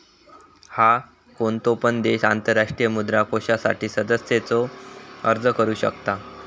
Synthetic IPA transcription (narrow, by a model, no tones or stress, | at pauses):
ha | koɳt̪opənd̪eɕant̪əɾːaʂʈɾijəmud̪ɾakoɕasa̰ʈiːsəd̪əsjet͡sɔəɾd͡zəkəɾuːɕəkt̪a